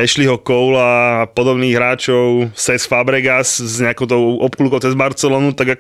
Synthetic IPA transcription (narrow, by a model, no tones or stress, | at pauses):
ɛʃliɦɔkɔʊlapɔd̪ɔbniːɣɦɾaːt͡ʃɔʊsɛsfabɾɛɡasɲɛakɔʊt̪ɔʊʔɔpklukɔʊt͡sɛzbaɾt͡sɛlɔːnut̪aɡa